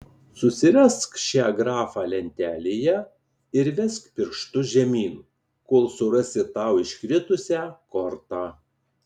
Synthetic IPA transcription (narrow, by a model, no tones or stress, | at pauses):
sʊsʲɪɾʲɛskʃʲæːɡɾɑːfɑːlʲɛnʲt̪ʲæːlʲeːjɛ | ɪɾʋʲɛskpʲɪɾʃt̪ʊʒʲɛmʲiːnu | koːlˠsʊɾɐsʲɪt̪ɑˑʊɪʃʲkʲɾʲɪt̪ʊsʲæːkɔɾt̪ɑː